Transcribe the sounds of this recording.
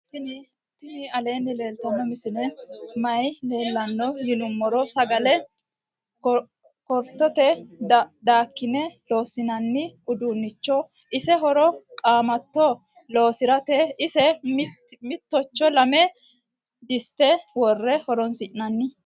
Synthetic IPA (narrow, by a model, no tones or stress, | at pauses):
kːɪnɪ | t̪ːɪnɪɐle̞ːnːɪle̞ːlt̪ɐnːɔmɪsɪnɛmɐjle̞ːlːɐnːɔjɪlʊmːɔɾɔsɐɡɐlɛ | kɔɾt̪ːɔt̪ɛ | d̪aːkːɪnɛlo̞ːsɪnɐnːɪʔʊd̪uːnːɪt͡ʃːɔ | ʔɪsɛɦɔɾɔkʼaːmɐt̪ːɔ | lo̞ːsɪɾɐt̪ɛɪsɛm | mɪt̪ːɔt͡ʃːɔlɐmɛ | d̪ɪst̪ːɛwɔrːɛhɔɾɔnsɪʔɪnɐnːɪ